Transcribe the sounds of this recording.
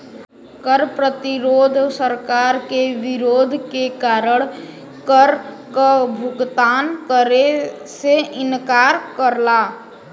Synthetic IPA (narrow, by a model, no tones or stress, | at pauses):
kəɾpɾət̪iɾoːd̪ʱsəɾkaːɾkeʋɪɾoːd̪ʱkekaːɾəɽ̃ | kəɾ | kəbʱʊɡt̪aːnkəɾe | seʔɪnkaːɾkəɾlaː